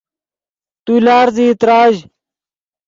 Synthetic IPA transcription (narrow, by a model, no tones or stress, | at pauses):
t̪uːlaːɾziːt̪ɾaːʑ